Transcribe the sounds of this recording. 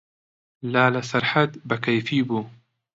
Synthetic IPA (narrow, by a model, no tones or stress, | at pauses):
laːlasɐɾˤħat̪bakajfiːbu